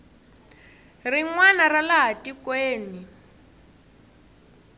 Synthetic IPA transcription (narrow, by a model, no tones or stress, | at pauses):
riŋwanaralaɦatikweːni